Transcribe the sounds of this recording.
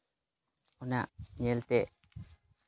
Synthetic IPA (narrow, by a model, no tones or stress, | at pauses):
ɔnaʔɲɛlt̪ɛʔ